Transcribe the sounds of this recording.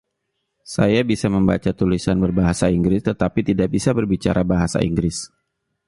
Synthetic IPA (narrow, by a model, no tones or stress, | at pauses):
sajabisaməmba̰t͡ʃat̪ulisanbərbaɦasaiŋɡɾɪst̪ət̪apit̪idaʔ̚bisabərbit͡ʃa̰ɾʔabaɦasa̰ʔḭŋɡɾɪs